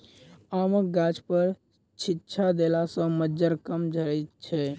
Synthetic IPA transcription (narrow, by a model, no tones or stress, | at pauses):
aməɡad͡ʒpəɾ | t͡ʃʰitːt͡ʃʰad̪elasə̃məd͡ʒəɾkəmd͡ʒʱəɾɛt̪t͡ʃʰɛ